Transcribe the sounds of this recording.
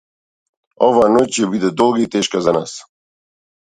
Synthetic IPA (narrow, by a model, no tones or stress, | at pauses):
ɔvaːnɔcʲɛbid̪ɛd̪ɔlˠɡait̪ɛʃkazana̰s